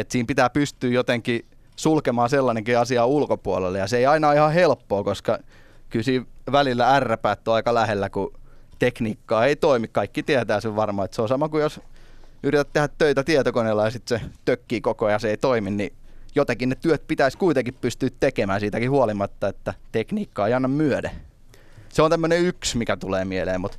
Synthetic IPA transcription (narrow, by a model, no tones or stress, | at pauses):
et̪siːmpit̪æːpyst̪yːjot̪eŋki | sulkemɑːselːɑneŋkiɑsiɑulkopuolelːejɑseiɑinɑihɑhelpːoːkoskɑkylsiːʋʋælilːæærːæpæːt̪ːoɑikɑlæhelːækut̪ekniːkːɑːeit̪oimikkɑikːit̪iæt̪æːseʋʋɑrmɑːet̪seosɑmɑkujos | yrit̪æt̪t̪ehæt̪t̪øit̪æt̪iet̪okonelːɑjɑsit̪set̪økːiːkokojɑseit̪oiminnijot̪ɑkinnet̪yøt̪̚pit̪æiskuit̪eŋkippyst̪yːt̪t̪ekemæːnsiːt̪ækihuɑlimɑt̪ːɑet̪ːæt̪ekniːkːɑːeiɑnːɑmmyøde | seont̪æmːøneyksmikæt̪uleːmielḛːmmut̪